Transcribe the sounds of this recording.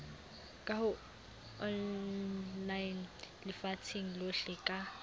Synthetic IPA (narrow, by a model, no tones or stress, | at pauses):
kʼahʊ | ɔ | lajn | lɪfatʰiŋ̩loɬɛkʼa